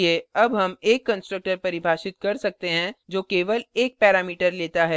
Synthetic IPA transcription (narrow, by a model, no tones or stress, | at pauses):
eːɐbɦɐmeːkːɐ̃nsʈɾək̚ʈəɾpɐɾɪbʱaːʃɪt̪̚kɐɾsɐk̚t̪eɦɛ̃d͡ʒoːkeːʋəleːk̚pɛːɾaːmiːʈəɾleːt̪aɦɛː